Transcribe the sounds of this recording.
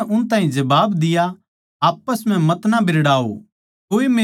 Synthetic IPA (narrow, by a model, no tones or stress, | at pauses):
ʔʊnt̪aːɦĩd͡ʒɐbaːbd̪ɪja | aːpːəsm̤ɛ̃mɐt̪nabʱɪɾɽaːo̰ | koːime